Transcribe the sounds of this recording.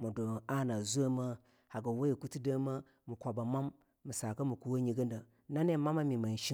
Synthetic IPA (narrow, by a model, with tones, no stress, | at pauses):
mu˨do˨a˦˨na˨zu˦a˦ma˦ | ha˨ɡa˨wa˦ji˨ku˦ti˦da˦ma˦ | mu˨kʷa˨ba˨ma˦mː | u˨sa˨ka˦mu˨ku˦wa˦ɲi˨ɡə˦nda˨ | na˦ne˦˨ma˦ma˦mi˨ma˨n˨ʃi˦